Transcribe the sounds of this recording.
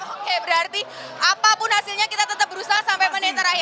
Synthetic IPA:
hebɾaɾt̪iː | apapunasilɲjakit̪at̪ət̪abɾusasãmbʱemənẽt̪əɾaɦe

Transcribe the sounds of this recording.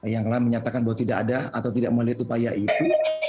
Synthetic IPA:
jaŋlaməɲat̪akanbaɦwat̪idakadaa̰t̪awt̪idaʔməŋliɦat̪upajaʔit̪u

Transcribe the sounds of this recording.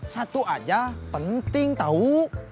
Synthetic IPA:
sat̪uʔad͡ʒapənt̪ɪŋt̪au

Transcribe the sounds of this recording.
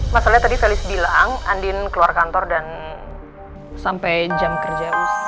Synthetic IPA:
masalaɲat̪adit̪ɛlɪsbilaŋa̰ndɪnkəluarkant̪ɔrdan | sampɛjd͡ʒamkərd͡ʒabus

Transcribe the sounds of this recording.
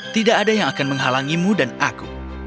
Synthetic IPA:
t̪idaʔːdajaŋakanməŋɦalaŋimudanaku

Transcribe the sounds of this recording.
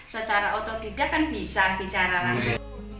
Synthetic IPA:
sət͡ʃaɾaot̪ɔd̪̥i̤d̥a̤kanb̥i̤sab̥i̤t͡ʃaɾaka

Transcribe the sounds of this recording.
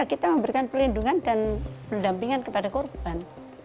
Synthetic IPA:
akit̪aməmbəɾikanpəlinduŋandanpərdampiŋankəpadakorb̥an

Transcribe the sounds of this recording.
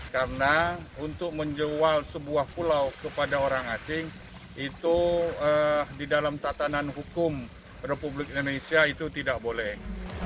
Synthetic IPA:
karənaunt̪ʊk̚məɲd͡ʒəwalsəbuahpulawkəpadaoɾaŋasɪŋ | it̪uədidalamt̪at̪ananɦukʊm | republɪk̚indonesiait̪ut̪idak̚bolɛh

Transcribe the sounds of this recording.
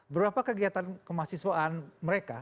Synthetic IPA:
bəbɾapakəɡiat̪ankəmasiswaʔːnməɾeka

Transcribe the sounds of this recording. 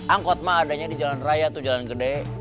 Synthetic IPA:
aŋkɔt̪̚maːdaɲadid͡ʒalanrajat̪ud͡ʒalanɡədɛ

